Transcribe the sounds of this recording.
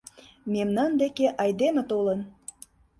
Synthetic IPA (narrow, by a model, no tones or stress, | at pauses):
memnɑnd̪ekeʔɑjd̪emĕt̪olən